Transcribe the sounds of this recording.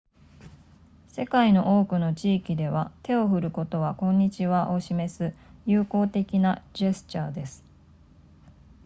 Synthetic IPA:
se̞kaino̞ʔo̞ːkɯ̟no̞t͡ɕiːkʲid̪e̞β̞at̪e̞o̞ɸɯ̟ɾɯ̟ko̞t̪o̞βakõ̞ɲ̟ːit͡ɕiβaʔo̞ɕime̞sɨjɯːko̞ːt̪e̞kʲinad͡ʑe̞sɨ̥t͡ɕaːd̪e̞sɨ̥

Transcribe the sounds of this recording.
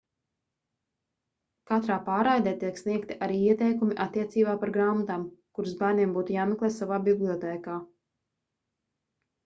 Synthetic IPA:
kat̪ɾaːpaːɾajd̪ɛːt̪iɛksniɛkt̪iʔaɾiːiɛt̪ɛjkumiʔat̪ːiɛt̪siːbaːpaɾɡɾaːmat̪amkuɾzbaːniɛmbuːt̪ujaːmeklˠeːsavaːbiblˠʲiɔt̪ɛːkaː

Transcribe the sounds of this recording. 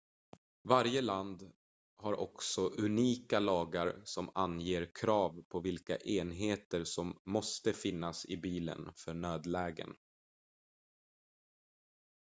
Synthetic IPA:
vaɾjəland̪ | haɾʔɔ̰ksɔʔɵniːkalɑːɡaɾsɔmanjeːɾkʰɾɑːvpʰɔvɪlka̰ʔeːnɦeːt̪əɾsɔmːɔst̪əfɪnːasɪbiːlə̰nfœɳøːd̪lɛːɡə̰n

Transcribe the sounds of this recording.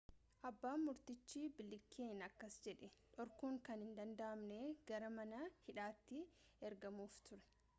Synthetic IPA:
ʔɐbːaːmʊɾt̪ɪt͡ʃːiːbɪlɪkʰːeːnɐkːɐsd͡ʒɛᶑɛᶑɔɾkuːŋkɐnhɪnd̪ɐnd̪ɐʔɐmneːɡ̥ɐɾɐmɐnɐhɪᶑaːt̪ːɪ | ɛɾɡɐmuːft̪ʊɾɛ̥

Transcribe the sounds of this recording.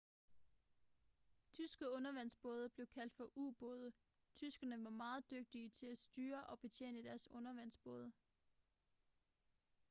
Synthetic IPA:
t͡sʰysɡ̥əɔ̽nɐʋæn̰sb̥ɔ̽ːð̞ˠəb̥le̝ʊkʰæl̰d̥fɒ̽ʔuːb̥ɔːð̞ˠə | t͡sʰysɡ̥ɐnəʋɑ̈mɑ̈ːð̞̩ˠd̥øɡ̥̚d̥iət͡sʰe̝læsd̥yːɐʔɒ̽b̥e̝t͡sʰjḛːnəd̥æɐsɔ̽nɐʋæn̰sb̥ɔ̽ːð̞ˠə

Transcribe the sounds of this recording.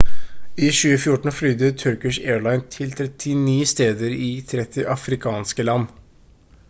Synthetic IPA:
iːʃʉːəfjʊʈːɳ̩flʏd̪ət̪ʰœɾkɪʂeːɭɑɪnt̪ʰɪlt̪ʰɾɛt̪ʰːɪniːst̪eːd̪əɾɪt̪ʰɾɛt̪ʰːɪʔɑfɾɪkʰɑːnskəlɑnː

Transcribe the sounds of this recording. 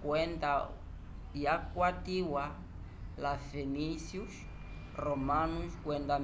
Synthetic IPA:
kwɛnda | jakwatiwa | lafenisjus | romanuskwɛnda

